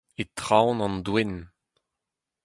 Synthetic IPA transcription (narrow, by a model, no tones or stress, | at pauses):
et̪ʁawnɑ̃ndwɛn